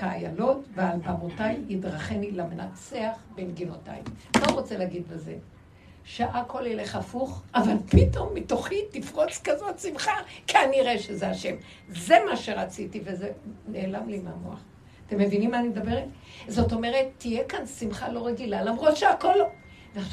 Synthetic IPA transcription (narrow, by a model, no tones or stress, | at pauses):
kaːjalo̞tvealbamotajidʁaχenilamenat͡seaχbemɡino̞ta̰jmataʁo̞t͡seleaɡid̪beze̞̰ | ʃeʔakʰo̞ljele̞χafuχʔavalpito̞mːitoχitifʁo̞t͡skazo̞tsimχakʰaniʁeʃezeaʃe̞m | ze̞maʃeʁat͡sitivezene̞ːlamlimamua̰χ | ate̞mːevinimːanimed̪abeʁet | zo̞to̞me̞ʁetːijekansimχalo̞ʁeɡilalamʁo̞tʃeakolo | veaχ